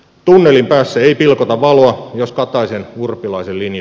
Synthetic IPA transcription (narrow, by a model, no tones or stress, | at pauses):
t̪unːelimpæːsːæeipilkot̪ɑʋʋɑloɑjoskɑt̪ɑisenurpːilɑisellinj